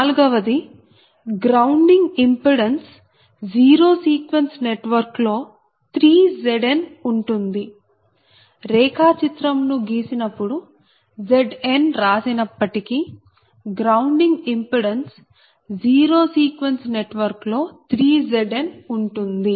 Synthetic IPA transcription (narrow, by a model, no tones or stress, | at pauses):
aːluɡɐʋɐd̪i | ɡɾɐuɳɖiŋɡimpuɽens | d͡ʒiːɾo̞ːsiːkʋensneʈʋɐɾklo̞ː | t̪ɾiːd͡ʒeɖenuɳʈund̪i | ɾɛːkaːt͡ʃit̪ɾɐmnuɡiːsinɐpːuɽu | d͡ʒeɖenɾaːsinɐpːɐʈiki | ɡɾɐwɳɖiŋɡimpuɽens | d͡ʒiːɾo̞ːsiːkʋensneʈʋɐɾklo̞ːt̪ɾiːd͡ʒeɖenuɳʈund̪i